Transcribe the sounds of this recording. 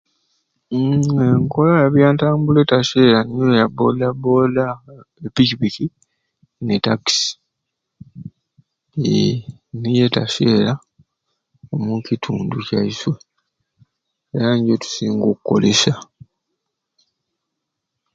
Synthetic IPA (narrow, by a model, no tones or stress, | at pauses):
eŋko̞lajaβjaːntaːmbule̞taʃe̞ːɾaniojabolabo̞laepikipiki | netaksi̥ | nije̞taʃe̞ːɾa | omucitʰuːnducaiswe̞ | eɾaɲɟotu̥siːŋɡokukːo̞̰lesa